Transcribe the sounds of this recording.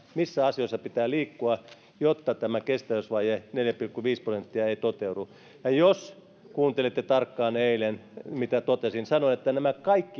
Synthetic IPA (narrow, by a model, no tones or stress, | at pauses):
misːæɑsioisːɑpit̪æːliːkːuɑ | jot̪ːɑt̪æmækest̪æʋøsʋɑːjeneljæpilkːuʋiːsprosent̪ːiɑeit̪ot̪eudu | jɑjos | kuːnt̪elet̪ːet̪ɑrkːɑːneilenmit̪æt̪ot̪esinsɑnoinet̪ːænæmækɑikːi